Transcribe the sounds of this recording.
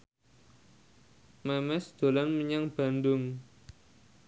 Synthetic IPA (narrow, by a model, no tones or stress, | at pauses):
mɛmɛsd̪̥o̤lanməɲaŋb̥a̤ndʊŋ